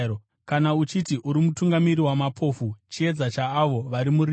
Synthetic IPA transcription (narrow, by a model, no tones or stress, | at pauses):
kanaut͡ʃitiʔuɾimutuŋɡamiriwamapʰo̞ːfut͡ʃie̞d͡zat͡ʃaːʋo̞ʋaɾimuɾi